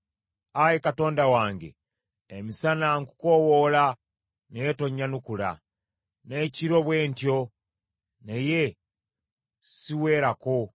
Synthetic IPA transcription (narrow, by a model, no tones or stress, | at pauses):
ajekato̞ːndawaːŋɡe̞̰ː | misanaŋku̥ko̞wola | nejetoɲːanukula̰ | ne̞ciɾo̞βwe̞ːntjo | neje | siwe̞ːɾako